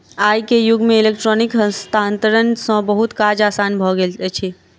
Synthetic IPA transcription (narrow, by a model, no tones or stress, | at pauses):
aːjkejʊɡmẽɪlekʈɾɔnɪkə̃st̪ʰaːnt̪əɾənsə̃bəɦut̪kaːd͡ʒaːsaːnbʱɔɡelt͡ʃʰe